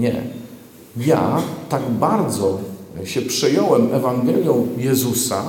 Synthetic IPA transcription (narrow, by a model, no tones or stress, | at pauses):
ɲɛ̰ | ja̰t̪aɡbaɾd̪zɔɕɛpʂɛjɔwɛmɛvaŋɡɛlʲjɔ̃w̃jɛzusa